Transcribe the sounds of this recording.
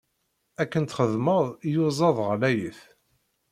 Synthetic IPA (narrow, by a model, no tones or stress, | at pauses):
ækːənt̪χəðməðˤjuzˤɑðˤʁəlæjəθ